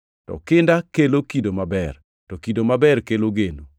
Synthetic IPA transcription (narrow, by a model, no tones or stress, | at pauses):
tɔ̰kɪndakelokidomabɛr | tɔkidomabɛrkeloɡeno